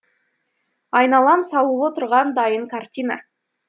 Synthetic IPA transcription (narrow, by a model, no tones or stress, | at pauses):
ɑjnɑlˠɑmsɑlˠəlˠot̪əɾʁɑnd̪ɑjəŋkʰart̪ʲina̰